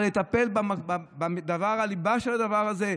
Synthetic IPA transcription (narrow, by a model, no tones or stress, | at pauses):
let̪ape̞lbambad̪avaʁalibaʃelad̪avaʁaze̞